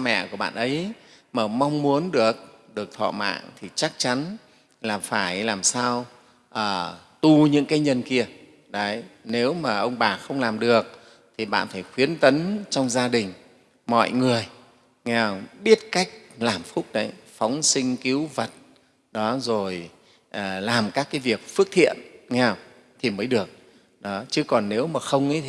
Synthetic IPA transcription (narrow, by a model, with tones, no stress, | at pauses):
mɛ̰˧˨ku˧˩əɓa̰ː˧˨nʔə˨˦j | məː˨˩ma˧wŋ͡mmu˨˦ənɗɨ˨˩ək̚ | ɗɨ˨˩ək̚t̪ʰɔ̰˧˨ma̰ː˧˨ŋt̪ʰi˨˩t͡ɕa˦˥k̚t͡ɕa˨˦n | laː˨˩faː˧˩jlaː˨˩msaː˧w | ʔəː˨˩t̪u˧˩ɲɨ̰˧˥ŋkaː˨˦jɲə˨˩nki˧ə | ɗə˨˦jne˨˦wmaː˨˩ʔə˧wŋ͡mɓaː˨˩xə˧wŋ͡mlaː˨˩mɗɨ˨˩ək̚ | t̪ʰi˨˩ɓa̰ː˧˨nfaː˧˩jxwi˨˦ənt̪ə˨˦nt͡ɕɔ˧wŋ͡mzaː˧ɗï˨˩ŋ̟ | mɔ̰˧˨jŋɨ˨˩əj | ŋɛ˧wɓi˦˥ət̚ka˦˥jk̟̚laː˨˩mfu˦˥t̚ɗə˨˦jfɔ˨˦wŋ͡msi˧ŋ̟ki˨˦wvə˨˩t̚ | ɗɔ˨˦zo˨˩j | ʔəː˨˩laː˨˩mkaː˦˥kːaː˨˦jvi˨˩ək̚fɨ˦˥ək̚t̪ʰḭ˧˨ənŋɛ˧w | t̪ʰi˨˩məː˨˦jɗɨ˨˩ək̚ | ɗɔ˨˦t͡ɕɨ˨˦kɔ˨˩nːe˨˦wmaː˨˩xə˧wŋ͡mḭ˧˦